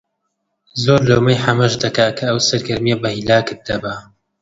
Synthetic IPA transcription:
zoːɾlowmɐjħɐmɐʒd̪ɐkaːkʰɐɐwsɐɾɡɐɾmijɐbɐhilaːkɨt̪̚d̪ɐbɐ

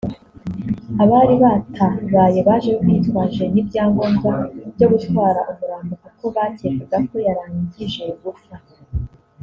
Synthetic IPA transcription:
aβaːɾiβatʰaβaːje̞βaːʒe̞βokiːtkwaːʒe̞nibɟaːŋɡonɡabɟo̞ɡutwaːɾaʔumuɾaːmbukako̞βatekaɡako̞jaɾaːɲɟiʒe̞ɡufa

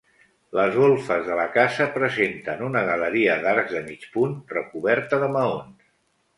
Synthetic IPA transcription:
ləzɣolˠfəzðələkasəpɾəzent̪ənunəɣələɾiəðaɾɡzðəmit͡ʃpunrəkuβɛɾt̪əðəməons

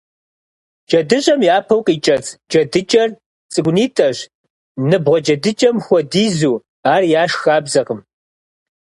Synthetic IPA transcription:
d͡ʒɐdɨɕʼɐmjaːpʰɐwqʼiːt͡ʃʼɐt͡sʼd͡ʒɐdɨt͡ʃʼɐr | t͡sʼɨɡʷʊniːtʰɐʒ | nɨbʁʷɔd͡ʒɐdɨt͡ʃʼɐmxʷɔdiːzuː | aːrjaːʃxaːbzɐqəm

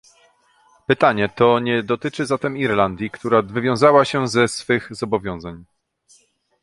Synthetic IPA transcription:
pɘt̪aɲɛt̪ɔɲɛd̪ɔt̪ɘt͡ʂɘzat̪ɛmiɾland̪ʲjikt̪uɾavɘvʲjɔ̃w̃zawaɕɛzɛsfɘɣzɔbɔvʲjɔ̃w̃zaɲ

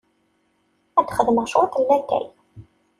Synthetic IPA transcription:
æd̪χəðməʁʃʊt̪əlːækːæ̰j

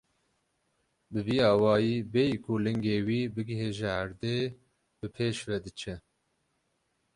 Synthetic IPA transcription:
bɨviːɑːwɑːjiːbeːjkulɨŋɡeːwiːbɨɡɦeːʒɛaɾd̪eː | bɨpʰeːʃvɛd̪ɨt͡ʃʰɛ

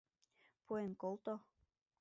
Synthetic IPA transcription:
puenkolˠt̪o

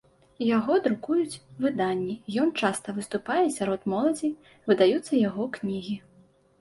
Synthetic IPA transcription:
jaɣɔd̪ɾukujut͡sʲvɨd̪anʲːijɔnt͡ʂast̪ɐvɨst̪upajɛsʲaɾɔt̪mɔlˠɐd͡zʲi | vɨd̪ajut̪sːɐjaɣɔknʲiɣʲi

